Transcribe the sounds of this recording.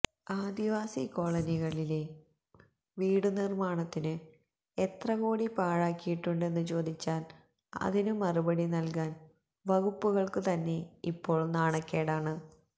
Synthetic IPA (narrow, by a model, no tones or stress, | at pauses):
aːd̪iʋaːsiko̞ːɭɐniɣɐɭile̞ | ʋiːɽɨnirmaːɳɐt̪ːinɨ | et̪rɐɣo̞ːɽipaːɻaːkːijiʈːuɳɖe̞nːɨt͡ɕo̞ːd̪ʱit͡ɕːaːl | ɐ̰ðinɨmɐrubɐɽinɐlkaːn | ʋɐɣupːuɣɐɭkɨt̪ɐnːe̞ipːo̞ːɭnaːɳɐkːeːɽaːɳɨ